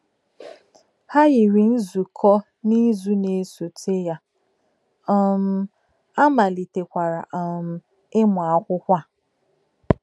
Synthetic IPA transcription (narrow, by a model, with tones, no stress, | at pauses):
ha˦ɣɪ˨ɾi˨n̩˦zu˨kʰɔ˦ | ni˦zu˦ne˨˦˨so˨tʰe˦ja˦ | ɔ˦m̩˦ | a˦ma˨li˨te˨kʷa˨ɾa˨ʔɔ˨m̩˦ | ɪ˦mʊ˨a˦kʷʊ˦kʷa˦˨